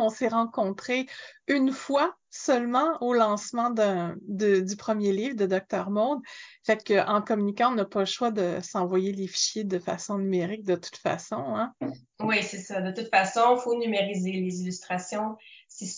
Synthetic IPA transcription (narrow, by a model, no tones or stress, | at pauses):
ɔ̃seʁɑ̃kɔ̃t̪χeynfwasœlmɑ̃olɑ̃smɑ̃d̪ɛ̃d̪əd̪ypχəmjeliːvd̪əd̪ɔk̚t̪œʁmɔd̪fɛt̪kəʔɑ̃kɔmynikɑ̃ɔ̃napaləʃwad̪əsɑ̃vwajelefi̥ʃjed̪əfa̰sɔ̃nymeʁɪk̚d̪ət̪u̥t̪fa̰sɔ̃ɛ̃ | wisɛsad̪ət̪ut̪fasɔ̃fonymeʁizelezilyst̪χasjɔ̃si